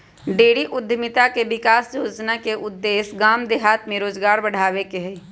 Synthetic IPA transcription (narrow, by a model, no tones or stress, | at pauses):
ɖeːɽiʔʊd̪ʱːmɪt̪akeʋɪkaːsjoːd͡ʒnakeʔʊd̪ːeːsɡaːmd̪eɦaːt̪mẽɾoːzɡaːɾbəɽ̤aːʋekeɦɛː